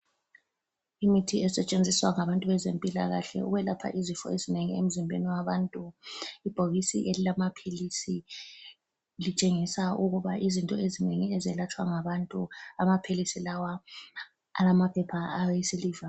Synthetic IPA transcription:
imitʰiɛsɛt͡ʃʼend͡zʱiswaŋaβantʼuβɛzempʼila̰ɣaɬɛ̰ṵɣɛlapʰa̰ʔizifɔ̰ezineŋiem̩zimbʱḛniwaβantʼuib̥ʱoɣisḭʔelilamapʰilisi | lit͡ʃʼeŋisauɣuβaʔizintʼɔezineŋiɛzɛlat͡ʃʰʼwaŋaβantʼuamapʰilisilawa | a̰lamapʰɛpʰaːjisiliːva

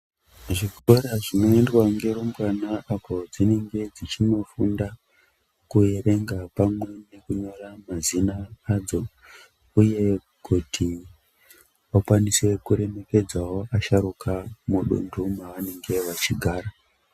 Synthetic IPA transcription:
ʐikoɾaʐino̞endwaŋɡe̞romɡanaʔapo̞d͡zine̞ŋɡe̞d͡zit͡ʃino̞funda | kuere̞ŋɡapamwe̞ne̞kuɲoramazinaːd͡zo̞ | uje̞ | kʰutʰi | akwaniswe̞kuɾe̞me̞ke̞d͡zawoʔaʃaɾukʰamuɗo̰ndumaʋane̞ŋɡe̞ʋat͡ʃiɡʱaːɾa

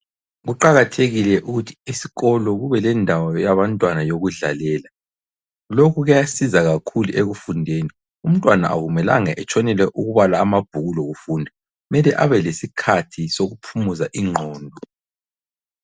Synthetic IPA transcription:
ɣuǃaɣatʰeɣilɛʔuɣutʰi̥isi̥ɣɔlɔɣuβɛlɛndʱawɔjaβantʼwanajoɣuɮa̰lɛːla | lokʰuɣujasizaɣakʰuluʔeɣufundʱeːni | um̩tʼwana̰a̰ɣumɛla̰ŋaʔɛt͡ʃʰʼɔnɛlɛʔuɣuβalaːmab̥ʱuɣuloɣufuːndʱa | mɛlɛʔaβɛlesikʰatʰisoɣupʰumuzaʔiŋ͡ǃʱɔːndʱɔ

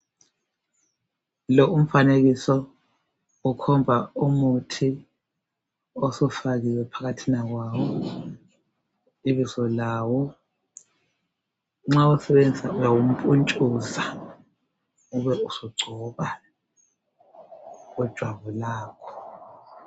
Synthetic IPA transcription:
lɔum̩faneɣisɔ | ukʰɔmbʱaumutʰi | osɔfaɣiwɛpʰaɣatʰinaɣwawɔ | iβizɔlaːwɔ | ŋ͡ǁausɛɓend͡ziaujawum̩pʼunt͡ʃʼuza | uβɛusɔɡ͡ǀʱɔɓa | ɣud̥ʒ̥ʱwaβulaːkʰɔ̥

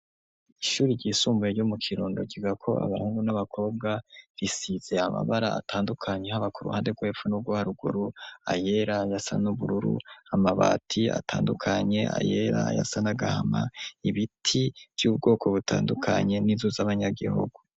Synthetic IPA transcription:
iʃuːɾiɟiːsuːmbujeɟomukʰiɾuːndoɟiɡakʰo̞ʔa̰βa̰huːŋɡunaβakʰo̞ːb̚ɡaɾisiz̥e̞ama̰βaɾaa̰tʰaːndukʰaɲe̞haβakuɾṵha̰ːnde̞ɡwe̞ːpfunub̚ɡohaɾuɡṵɾua̰je̞ɾajasa̰nuβuɾuɾṵamaβa̰ːtʰia̰tʰaːndukʰaɲe̞ʔa̰je̞ɾa̰ja̰sanaɡahama̰iβitʰiv̥juːb̚ɡo̞ːkʰo̞βutʰa̰ːndukʰaɲe̞nizuzaβaɲaɡihṵɡu

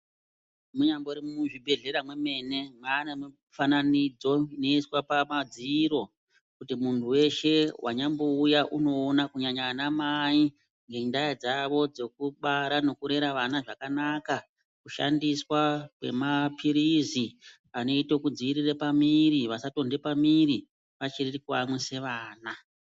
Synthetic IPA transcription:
muɲamboɾimuʐibʱe̞ɮe̞ɾamwe̞me̞ne̞maːneme | fananid͡zo̞ino̞iswapamad͡ziiːɾo̞ | kutimuntʰuwe̞ʃe̞wʔa̰ɲamboujaʔuno̞ːnakuɲaɲanamai | ŋɡe̞ndaad͡zaʋo̞d͡zo̞kuɓaɾano̞kuɾe̞ɾaʋanaʐakanaka | kuʃa̰ndiswakwe̞̰mapʰiɾizi | ano̞itokud͡ziːrirepamiɾiʋasato̞nde̞pamiɾi | ʋat͡ʃirikamwese̞ʋaːna

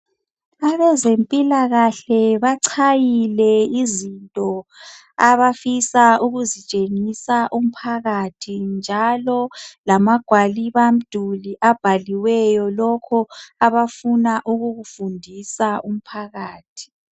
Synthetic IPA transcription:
aβɛzempʼilaɣaɬɛβaǀʰajilɛizintʼɔ | aβafisauɣuzit͡ʃʼeŋisaʔum̩pʰaɣatʰind͡ʒʱalɔlamaɡ̥ʱwaliβam̩d̥ʱuliʔab̥ʱaliwɛjɔlɔkʰɔaβafunaʔuɣuɣufundʱisaʔum̩pʰaɣaːtʰi̥

